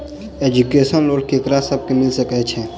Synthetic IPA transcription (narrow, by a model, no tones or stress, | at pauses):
ed͡ʒukesənloːɽkekɾasəb̚kemɪlsəkɛt͡ʃʰɛ